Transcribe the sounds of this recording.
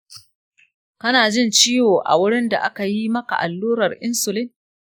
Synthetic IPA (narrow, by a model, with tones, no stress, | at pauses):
kɐ˦naː˨d͡ʒɪ˦˨nt͡ʃiː˦joː˨ʔa̰˨wʊ˦ɽɪ˦nda̰˨ʔa˦ka˨ji˦mɐ˦ka̰˨ʔa˨lːuː˦ɾɐ˨rʔɪ˦nsʊ˨lɪ˦n